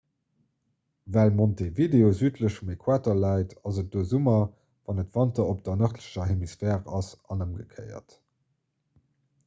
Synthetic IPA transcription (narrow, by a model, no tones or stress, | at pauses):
vælmontevideozyːtʰləʃfumekʰwaːtolæɪtɑzət̚d̥oːzumɐ | vɑnətv̥ɑntɐop̚d̥ɐnəχtləɕɐɦemisfɛːʁɑ̰sʔɑnəmɡəkʰə̰ɪɐ̰t